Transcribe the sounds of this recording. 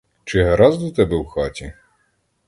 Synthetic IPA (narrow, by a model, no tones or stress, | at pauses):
t͡ʃɪɦɾɑzd̪ɔt̪ɛbɛwxɑtʲi